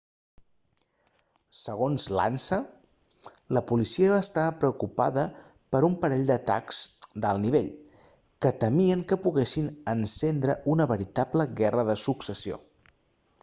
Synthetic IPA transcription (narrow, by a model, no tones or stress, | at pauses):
səɣ̞onzla̰nsə | ləpulisiəβaːst̪apɾəukupa̰ðə | pəɾumpəɾɛʎd̪ət̪a̰kzd̪əlˠniβ̞eʎ | kət̪əmiəŋkəpuɣɛsinənsɛnd̪ɾəʔunəβəɾit̪apləɣɛrəðəsuksəsio̰